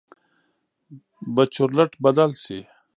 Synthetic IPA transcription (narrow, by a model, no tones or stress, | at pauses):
bɐt͡ɕʰuɾlɐʈbɐd̪alsi